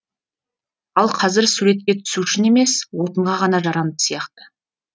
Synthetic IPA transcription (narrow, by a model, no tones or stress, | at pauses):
ɑlˠqʰɑzɪɾsuɾe̞t̪̚kʲe̞t̪ʰʏ̥suʃɪne̞me̞swot̪əɴʁɑʁɑnɑʒɑɾɑnəpsijɑqt̪ə